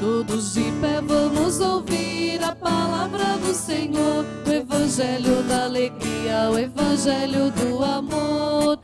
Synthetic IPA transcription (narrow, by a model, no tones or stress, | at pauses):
t̪od̪ʊzd͡ʒɪpɛvɐ̃mʊzowviɾɐpalavɾɐd̪ʊsẽɲoɾ | ʊevɐ̃ʒɛljʊd̪aleɡɾiɐwevɐ̃ʒɛljʊd̪ʊamoɾ